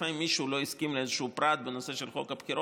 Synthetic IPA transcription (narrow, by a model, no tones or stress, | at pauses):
aimːiʃulo̞iskimleezeʃupɾat̪̚benose̞ʃelχo̞kapkiɾo